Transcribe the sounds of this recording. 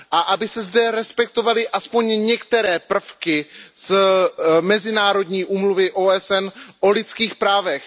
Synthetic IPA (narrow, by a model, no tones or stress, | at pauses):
ʔaʔabɪsɛzdɛɾɛspɛk̚t̪o̞valɪʔaspo̞ɲɲɛkt̪ɛɾɛːpr̩fkɪz̥ | mɛzɪnaːɾo̞dɲiːʔuːmluvɪʔoːʔɛsɛnʔo̞lɪt͡skiːxpɾaːvɛx